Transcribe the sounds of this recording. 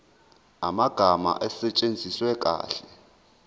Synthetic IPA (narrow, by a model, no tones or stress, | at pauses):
amaɡ̥ʱama̰ʔɛsɛt͡ʃʼend͡zʱiswɛkʼa̰ːɬɛ